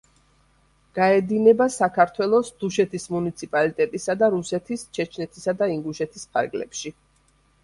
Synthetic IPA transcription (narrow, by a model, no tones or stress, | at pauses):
ɡ̥aɛd̪inɛbasakʰaɾt̪ʰwɛlˠɔsd̪̥uʃɛt̪ʰismunit̪sʰipʼalit̪ʼɛt̪ʼisad̪aɾusɛt̪ʰist͡ʃʰɛt͡ʃʰnɛt̪ʰisad̪aiŋɡuʃɛt̪ʰispʰa̰ɾɡlɛ̰pʃi